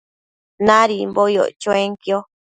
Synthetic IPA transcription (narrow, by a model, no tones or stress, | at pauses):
nãɾimbojo̰t͡ʃõẽŋkjo